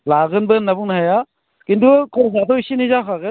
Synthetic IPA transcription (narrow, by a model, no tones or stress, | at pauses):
laɡɯnbɯnabuŋnaɦaja | kintukʰɔzatɔisinizakʰaɡɯ